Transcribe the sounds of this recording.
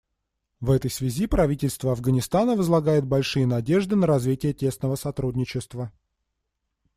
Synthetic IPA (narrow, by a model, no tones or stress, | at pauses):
vɛt̪əjsvʲɪzʲipɾɐvʲitʲɪlʲst̪vəɐvɡənʲɪst̪anəvəzlˠɐɡajɪt̪̚bɐlʲʂɨjənɐdʲe̞ʐd̪ɨnəɾɐzvʲitʲɪjətʲe̞snəvəsɐt̪ɾudʲnʲɪt͡ɕɪst̪və